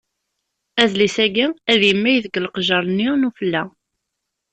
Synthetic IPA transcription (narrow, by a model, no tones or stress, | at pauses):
æðlisæɡiæðjəmːæjðəɡəlqʒɑɾˤnːinufəlːæ